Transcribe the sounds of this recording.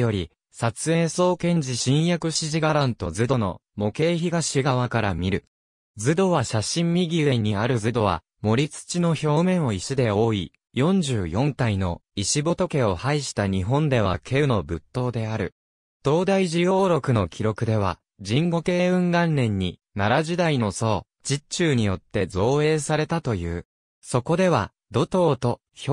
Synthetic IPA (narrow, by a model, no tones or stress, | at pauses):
jo̞ɾʲi | sat͡sɨe̞ːso̞ːkẽ̞ɲ̟d͡ʑiɕĩɰ̃jakɯ̟ɕiʑiɡaɾãnt̪o̞zɨd̪o̞no̞̰ | mo̞ke̞ːçiɡaɕiɡaβakaɾamʲiɾɯ̟ | d͡zɨd̪o̞βaɕaɕĩmmʲiɡʲid̪e̞ɲ̟ːiaɾɯ̟d͡zɨd̪o̞βa̰ | mo̞ɾʲit͡sɨ̥t͡ɕino̞ço̞ːmẽ̞ɰ̃o̞iɕid̪e̞o̞ːḭ | jõ̞ɲ̟d͡ʑɨːjõ̞ŋkaino̞iɕibo̞t̪o̞ke̞o̞haiɕi̥t̪aɲ̟iɦõ̞nd̪e̞β̞a̰kʰe̞ɯ̟no̞bɯ̟t̪ːo̞ːd̪e̞aɾɯ̟ | d̪̥o̞ːd̪aiʑijo̞ːɾo̞kɯ̟no̞kʲʰiɾo̞kɯ̟d̪e̞β̞a̰ | d͡ʑĩŋɡo̞ke̞ːɯ̟̃ŋɡãnːẽ̞ɲ̟ːi | naɾaʑid̪aino̞so̞ː | d͡ʑit͡ɕɨːɲ̟ijo̞t̪ːe̞zo̞ːe̞ːsaɾe̞t̪at̪o̞jɯ̟̰ː | so̞ko̞d̪e̞βa̰ | d̪o̞t̪o̞ːt̪o̞ | ç